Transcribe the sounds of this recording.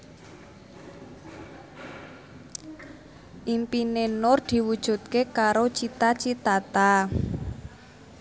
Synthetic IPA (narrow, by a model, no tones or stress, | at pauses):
ʔimpinenʊrd̪̥i̤wud̥ʒ̥ṳt̪̚kekaɾot͡ʃit̪at͡ʃit̪at̪a